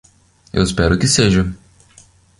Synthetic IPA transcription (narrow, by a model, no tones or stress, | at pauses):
ḛwɪspɛɾʊkɪseʒɐ